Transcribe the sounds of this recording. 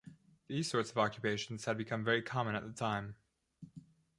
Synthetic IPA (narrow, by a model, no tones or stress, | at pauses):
ðiz̥sɔɹtsʌvɑkjɨpeɪʃn̩z̥ɨd̚bɨkʰʌ̃ɱvɛɹikʰɑmə̃nɨt̪̚ðətʰãɪ̃m